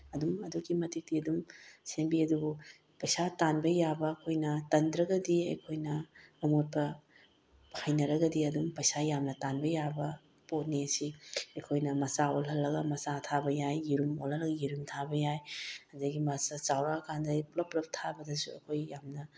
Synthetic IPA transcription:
ɐdumɐduɡimɐtik̚diɐdumsembiɐdubu | pɐjsatanbɐjabɐːkʰojnɐtɐndɾɐɡɐdiɐ̰jkʰojnɐːmot̚pɐ | pʰajnɐɾɐɡɐdiɐdumpɐjsajamnɐtanbɐjabɐ | pot̚nesiɐjkʰojnɐmɐsaolɦɐlːɐɡɐmɐsatʰabɐjajːiɾumolhɐlːɐɡɐjiɾumtʰabɐjajɐdɐɡimɐsɐt͡ʃawɾakʰandɐiplɐplɐp̚tʰabɐdɐsuɐ̰kʰojjamnɐ

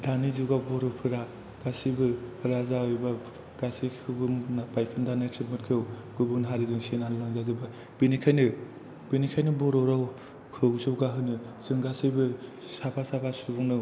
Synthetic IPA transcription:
danizuɡabɔɾɔwpʰɯɾa | ɡ̥asibɯpʰɯɾazaɔjba | ɡ̥asikʰɯɡɯmnapajkʰɯndanɯtʰɯkmɯtkʰew | ɡ̥ɯbunɦaɾizɯŋsenaɾɯlaŋzazɯba | b̥inikʰajnɯ | b̥inikʰajnɯbɔɾɔɾaw | kʰɯwzɯwɡaɦɯnɯ | z̥ɯŋɡasibɯ | sapʰasapʰasubɔŋnɯ

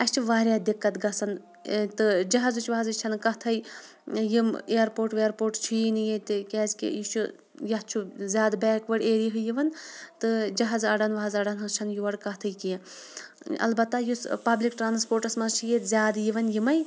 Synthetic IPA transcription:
ɐst͡ʃʰuʋaːɾʲjaːd̪ikːɐt̪ɡɐsɐn | t̪ɨd͡ʒɐɦazut͡ʃʰʋɐɦazɨt͡ʃʰɐnkɐɦt̪ʰɐj | jimeːɾpoːɾʈʋeːɾpoːɾʈt͡ʃʰijnijet̪ʲikʲɛːzkḭjit͡ʃʰu | jɐɦt͡ʃʰuzʲaːd̪bɛːkʋɐɽʲeːɾjiɦɨjiʋɐnt̪ɨd͡ʒɐɦazɐɖɐnʋɐɦazɐɖɐnɦɐzt͡ʃʰɐnjuʋɐɽkɐɦt̪ʰɐjkijã | ɐ̰lbɐt̪ːajuspɐblikʈɾaːnspoːɾʈɐsmɐzt͡ʃʰijet̪zʲaːd̪jiʋɐnjimɐj

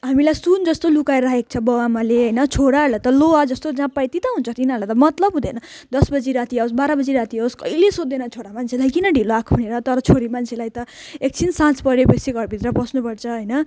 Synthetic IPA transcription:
ɦamilajsund͡zʌst̪olukaeɾaɦek̚t͡sʰʌbʌwamaleɦʌjnʌt͡sʰoɽalat̪ʌlowad͡zʌst̪od͡zãpajt̪it̪ʌɦunt͡sʰʌt̪inalat̪ʌmʌt̪lʌbɦũd̪enʌd̪ʌsbʌd͡ziɾat̪iaosbaɾabʌd͡ziɾat̪iaoskʌ̰jlesod̪ːenʌt͡sʰoɽamant͡sʰelajkinʌɖʱiloakʰbʰʱuneɾʌt̪ʌɾʌt͡sʰoɾimant͡sʰelajt̪ʌek̚t͡sʰinsãt͡spʌɾjepʌsiɡʱʌɾbʱit̪rʌbʌsnupʌrt͡sʰʌɦʌjnʌ

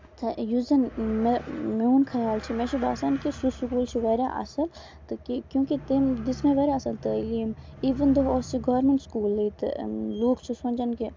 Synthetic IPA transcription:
t̪ʰɐjuzɐnmemeuːnkʰɐjaːlt͡ʃʰimeʃʰibaːsankisusukuːlt͡ʃʰiʋɐɾʲa̰ʔɐ̰sɐl | t̪ɨkikjũːkit̪imd̪ismẽʋɐɾjaɐsɐlt̪əliːmiːʋɐnd̪oɦoːsiɡɐːɾmeɳʈskuːlːəit̪ɨ̰loːkt͡ʃʰisunʲd͡ʒɐnki

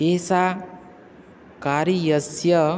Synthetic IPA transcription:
esa | kaɾijʌsjʌ

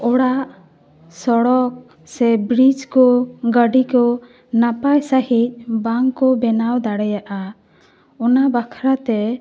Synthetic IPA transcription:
ɔɽaʔ | sɔɽɔk̚ | sɛbɾid͡ʒkɔɡəɖikɔ | napajsəhic̪̚baŋkɔbɛnawd̪aɽɛjaʔa | ɔnabakʰɾat̪ɛ

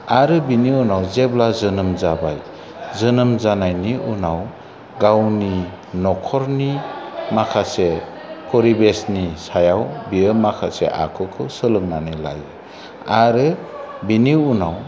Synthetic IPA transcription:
aɾɯbiniunawzeblazɯnɯmzaba̰j | zɯnɯmzanajniunaw | ɡawni | nɔkʰɔɾnimakʰase | kʰɔɾibesnisajawbiɯmakʰasḛʔa̰kʰɯkʰɯsɯlɯŋnanila̰jɯ | aɾɯbiniunaw

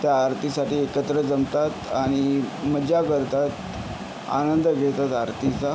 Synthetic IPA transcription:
t̪jaːɾt̪isaʈiːekət̪ɾəd͡zəmt̪at̪aɽ̃iməd͡ʑjakəɾt̪at̪ | a̰nənd̪əɡʱeɭt̪at̪aɾt̪it͡sa

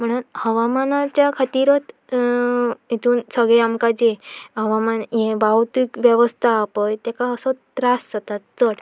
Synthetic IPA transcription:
m̤əɽ̃uːnhəʋamanat͡ɕjakʰat̪iɾət̪ | ɦit̪ʰuːnsəɡɭɛamkad͡ʑeɦəʋamanjẽbaut̪ikʋjeʋəst̪ʰaːpəjt̪ɛkaəsət̪ɾasːət̪at̪t͡səɽ

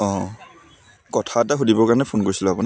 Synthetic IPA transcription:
ɔ̃ | kɔtʰataɦudibɔkaɹnɛpʰonkoɹisilʊapuna

